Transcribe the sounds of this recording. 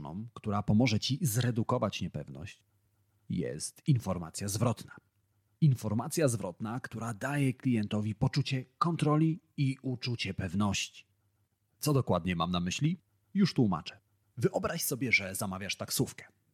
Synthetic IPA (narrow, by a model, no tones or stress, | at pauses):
nɔ̰̃mkt̪uɾapɔmɔʐɛt͡ɕizɾɛd̪ukɔvat͡ɕɲɛpɛvnɔ̰ɕt͡ɕ | jɛ̰st̪infɔɾmat̪sʲjazvɾɔt̪na | infɔɾmat̪sʲjazvɾɔt̪nakt̪uɾad̪ajɛklʲijɛnt̪ɔvʲipɔt͡ʂut͡ɕɛkɔnt̪ɾɔlʲi | iut͡ʂut͡ɕɛpɛvnɔɕt͡ɕi̥ | t̪sɔd̪ɔkwad̪ɲɛmamnamɘɕlʲi | juʂt̪wuma̰t͡ʂɛ̥ | vɘʔɔbɾaɕsɔbʲjɛʐɛzamavʲjaʂt̪aksufkɛ̥